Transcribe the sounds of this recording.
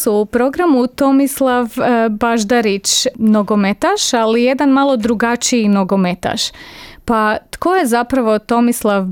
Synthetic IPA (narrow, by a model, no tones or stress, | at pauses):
suːpɾo̞ɡɾamut̪o̞mislˠaʋbaʒd̪aɾit͡ʃnoɡo̞met̪aʃalije̞d̪anmalˠo̞d̪ɾuɡat͡ʃiinoɡo̞met̪a̰ʃpat̪ko̞je̞zapɾaʋo̞t̪o̞mislˠaʋ